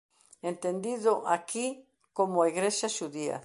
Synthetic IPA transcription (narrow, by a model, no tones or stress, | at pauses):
ent̪end̪iðoʔakʰi | komoaiɣɾeʃaʃuðia̰